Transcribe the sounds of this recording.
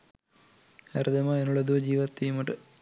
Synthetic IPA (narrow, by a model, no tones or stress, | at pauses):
ɐɾd̪ɐmɐenːuɭɐðud͡ʑiːʋɐt̪ːijumɐʈɨ